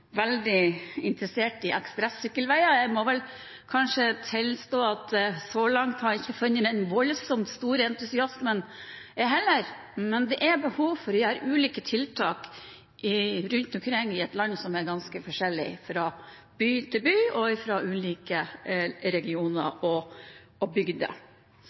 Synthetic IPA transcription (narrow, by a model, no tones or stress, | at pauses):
ʋɛld̪ɪɪnt̪ɾəseːʈɪʔɛkspɾɛsʏkːəlʋæɪɑjæɪmɔʋɛl | kʰɑnʂət̪ʰɪlst̪oːɑt̪sɔlɑŋt̪hɑɾɪçːəfʉnːəd̪ɛnʋɔlsɔmt̪st̪uːɾəɛnt̪ʉsɪɑsmənɛɦɛlːəɾ | mɛnd̪ɛʔæbəhuːʋfɔɾʋɪhɑːɾʉːliːkət̪ʰɪlt̪ʰɑːk | ʔɪɾʉnt̪ʉkʰɾɛŋɪɛt̪lɑnːsɔmɛɾɡɑnskəfɔʂɛlːɪ̰fɾɑ | b̥yːt̪ʰɪlbyːɔɪfɾɑʔʉːliːkəɾɛɡɪuːnə̰ɾɔ | ɔbʏɡd̪ə̰